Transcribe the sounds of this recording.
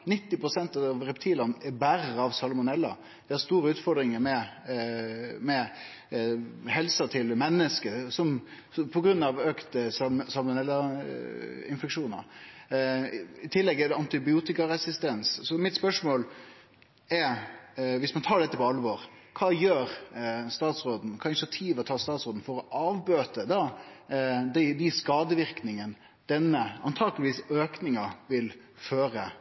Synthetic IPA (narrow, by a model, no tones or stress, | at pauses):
nɪt̪ːɪpɾʊsɛnt̪ɑɑʋɾɛpt̪ʰiːlɑnɛɾbæɾəɑʋsɑlmʊnɛlːɑ̰ | d̪̥ɛæɾst̪uːɾəʉːt̪fɔɾd̪ɾɪŋəɾmɛ | mɛ | hɛlsət̪ʰɪlmɛnːəskəsɔm | pʰɔɡɾʉnːɑʋøːkt̪əsɑsɑlmʊnɛlːɑ | ɪnfɛkʂuːnə̰ɾ | ɪt̪ʰɪlːɛɡɛd̪ɛɑnt̪ɪbɪuːt̪ɪkɑɾɛsɪst̪ɛnssɔmɪt̪spœʂmoːl | ɛɾʋɪsmɑnt̪ʰɑːɖ̪ɛt̪ːəpɔɑlʋoːɾ | kʰɑːjøːɾst̪ɑːt̪sɾoːd̪n̩kʰɑːɪnɪsɪɑt̪ʰiːʋɔt̪ʰɑːst̪ɑːt̪sɾoːd̪n̩fɔɾɔʔɑːʋbøːt̪əd̪ɑ | d̪ɛd̪ɛskɑːd̪əʋɪɾknɪŋən | d̪̥ɛnːəɑ̰nt̪ʰɑːɡəlɪʋiːsøːknɪŋɑʋɪl | føːɾə